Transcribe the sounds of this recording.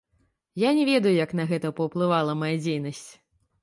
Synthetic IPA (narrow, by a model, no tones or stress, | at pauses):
janʲɛvʲɛd̪ɐjujɐkn̪ɐɣɛt̪ɐpɐwplˠɨvalˠɐmajad͡zʲejnɐsʲt͡sʲ